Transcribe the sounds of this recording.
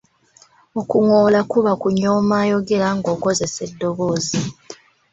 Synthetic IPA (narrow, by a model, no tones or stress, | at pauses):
okuŋo̞ːlakuβakuɲoːmaːjo̞ɡe̞ɾaŋɡo̞ːko̞ze̞se̞dːo̞βo̞ːzi